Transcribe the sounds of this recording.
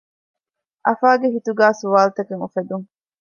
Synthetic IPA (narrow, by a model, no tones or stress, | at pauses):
ʔɐfaːɡeɦit̪uɡæːsuʋaːlt̪ɐkeŋufed̪uŋ